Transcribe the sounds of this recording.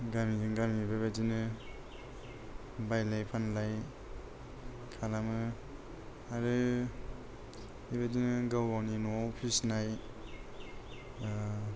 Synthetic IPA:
ɡamizɯŋɡamibabadinɯ | bajlajpʰanlaj | kʰalamɯ | aɾɯ | iβadinɯɡawɡawninɔɔpʰisnaj

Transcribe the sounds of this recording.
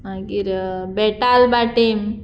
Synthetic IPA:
ãɡiɾbeʈalbaʈim

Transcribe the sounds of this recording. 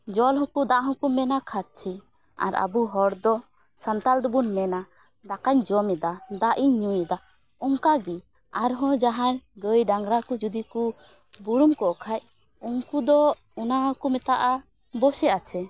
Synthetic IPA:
d͡ʒɔlhɔ̃kud̪aʔɦɔ̃kumːɛnakʰat̪̚t͡ʃʰi | a̰ɾa̰buɦɔɽd̪ɔ | sant̪ald̪ubunmɛna | d̪akaɲd͡ʒɔmɛd̪ad̪aʔiɲːujɛd̪a | ɔŋkaɡɛ | aɾɦɔ̃d͡ʒaɦaɾɡəjɖaŋɡɾakud͡ʒud̪iku | buɽumkɔʔkʰaj | uŋkud̪ɔ | ɔnaɦkumɛt̪aʔa | bɔsɛʔat͡ʃʰɛ

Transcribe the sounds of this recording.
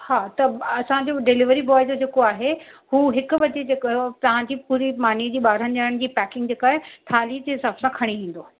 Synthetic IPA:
haːt̪ɐɐsãd͡ʑoɖɪlɪʋəɾibɔːjd͡ʑod͡ʑeːkoaːɦehuːɦɪkʊʋɐt͡ɕed͡ʑeːkt̪ɐʋ̤ãɲd͡ʑiːpuːɾimaːnid͡ʑiːɓaːɾ̤ənɪd͡ʑaɽəɽ̃d͡ʑiːpɛːkɪ̃ŋɡd͡ʑeːkaːɦet̪ʰaːlid͡ʑeɦɪsaːb̥sãkʰɐɽ̃iʋĩːn̆d̪o

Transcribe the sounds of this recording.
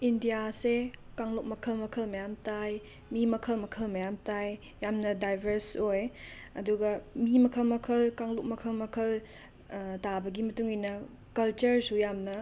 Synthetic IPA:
indijasekaŋluk̚mɐkʰɐlmɐkʰɐlmɐjamtaj | mimɐkʰɐlmɐkʰɐlmɐjamtaj | jamnɐdajbʱɐɾsoj | ɐduɡɐmimɐkʰɐlmɐkʰɐlkaŋluk̚mɐkʰɐlmɐkʰɐl | tabɐɡimɐtuŋinɐ | kɐlt͡ʃɐɾsujamnɐ

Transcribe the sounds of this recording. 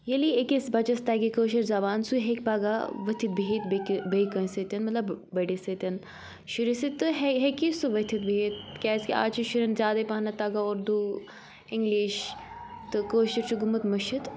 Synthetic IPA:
jɐliekisbɐt͡ʃɐst̪aːɡikoːʃɐɾzɐbaːnsuɦekpaːɡaʋɐt̪ʰit̪̚bʱiɦit̪bbejkɐ̃sɐt̪ʲɐnmɐt̪lɐbbɐɖisɐt̪ʲɐn | ʃuɾisit̪ːɨɦɦekisuʋɐt̪ʰit̪̚biit̪̚kʲaːskʲia̰ːt͡ʃʰiʃuɾɐnzʲjaːd̪ɐjpaːnɐt̪aːɡaoːɾd̪uː | ɪŋɡliʃt̪ɨkoːʃɐɾt͡ʃʰuɡumɐt̪mɐʃit̪

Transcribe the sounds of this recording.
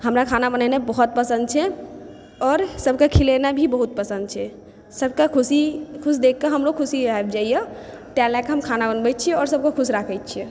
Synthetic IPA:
ɦəmɾakʰanabənanebəɦut̪̚pəsə̃nd̪̚t͡ʃʰɛ | ɔːɾsəbʱkekʰilenabʱibəɦut̪̚pəsə̃nd̪̚t͡ʃʰɛ | səbʱkekʰusikʰusd̪ekːeɦəmɾokʰusiaeb̚d͡ʒaijəʈalakeɦəmkʰanabənbɛt̪̚t͡ʃʰiɛɔːɾsəb̚kekʰusɾakʰɛjt̪̚t͡ʃʰie

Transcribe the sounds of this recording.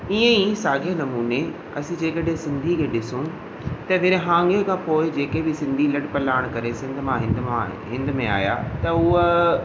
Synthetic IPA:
iə̃isaːɡʱenɐmuːne | ɐsĩd͡ʑeːkəɗɦẽsɪ̃nd̪ʱikʰẽːɗɪsũ | t̪ɐʋɪɾɦãːŋɡekʰãːpoːɪd͡ʑeːkebɪsɪ̃nd̪ʱilɐɖpɐlaːɪɽ̃kɐɾesɪ̃nd̪̆ʱmãɦɪ̃nd̪ã | ɦɪ̃nd̪mẽa̰ːja̰t̪ɐʊ

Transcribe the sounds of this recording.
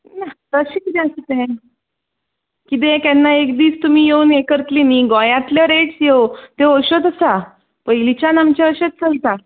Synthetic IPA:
nat̪əɕẽkit̪ẽəsit̪ɦẽ | kit̪̬ẽk̪ɛnːaekd̪iːst̪um̤ijeuːnekəɾt̪liniɡɔjãt̪leʋəɾesjeot̪eoɕot̪əsa | pəilit͡ɕjanamt͡ɕaəɕet͡st͡səlit̪a

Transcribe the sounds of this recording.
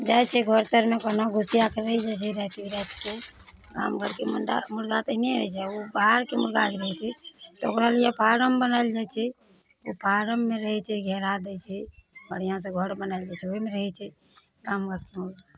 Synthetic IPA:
d͡ʒaːjt͡ʃʰɛɡʱoɾt̪əɾmẽkonoɡʱʊsijakɾəɦid͡ʒat͡ʃʰɛɾɛt̪ibiɾɛt̪ke | ka̰ːmɡəɾkeməɖa̰mʊɽɡat̪eneɾəit͡ʃʰɛobaɦɾkemʊɾɡaliɾəɦɛt͡ʃʰɛt̪o̰kɾalijapʰaːɾəmbənaːɪld͡ʒaːjt͡ʃʰɛ | opʰaːɾəmːẽɾəɦɛt͡ʃʰɛɡʱɛːɾad̪ɛt͡ʃʰɛbəɽ̤ijãs̬ẽɡʱəɽbənaɪld͡ʒaːt͡ʃʰɛoimẽɾəɦɛt͡ʃʰɛ | kaːmɡʱəɾkemʊlɡa

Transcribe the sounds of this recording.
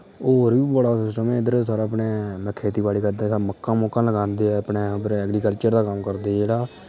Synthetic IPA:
oːɾbiːbəɽaːsɪsʈəmɛːɪd̪əɾsaːɾaːəpɳeːmɛ̃kʰːeːt̪iːbaːɽiːkəɾd̪eːsaməkːãːmoːkːãːləɡãːnd̪eːɛːəpɳeːbɾɛːɡɾiːkəlt͡ʃəɾd̪aːkəmkəɾd̪eːeːɽaː

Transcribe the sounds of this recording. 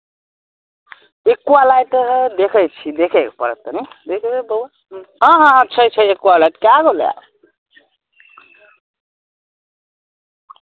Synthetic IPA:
ekːualajʈəɦd̪ekʰəjt͡ʃʰid̪ekʰekpə̰ɾə̰t̪ːənid̪ekʰbebəa | ə̃ɦãt͡ʃʰət͡ʃʰəekualajʈkaɡolja̰

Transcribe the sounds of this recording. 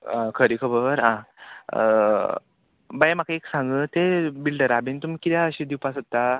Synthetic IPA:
ãkʰəɾikʰəbəɾã | bajam̤akaeksãŋɡəːt̪ebilɖəɾabent̪umikit̪jaəɕid̪iwpasət̪ːa

